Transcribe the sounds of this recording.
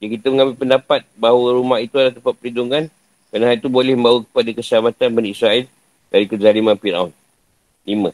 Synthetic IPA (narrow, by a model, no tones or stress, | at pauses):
d͡ʒakit̪əməŋãmbɪlpəndapat̪̚baɦwəɾumahit̪ualaht̪əmpat̪̚pəliduŋan | kɾanaɦalit̪ubolɛhməmbawukə̥padakəsəlamat̪anbɛnisɾaɛl | daɾikəd͡ʒalimanpiɾa̰un | limə̃